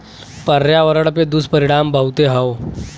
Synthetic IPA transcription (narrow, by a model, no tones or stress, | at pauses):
pɐɾjaʋəɾəɽped̪uspɐɾɪɽ̃aːmbʱɐɦut̪eɦɐo